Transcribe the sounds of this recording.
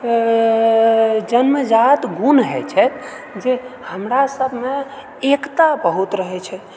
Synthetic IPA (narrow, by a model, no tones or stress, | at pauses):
d͡ʒənməd͡ʒat̪ɡunɦɛt͡ʃʰɛt̪ | d͡ʒehəmɾasəbʱme | ekt̪abəɦut̪ɾəɦɛt͡ʃʰɛ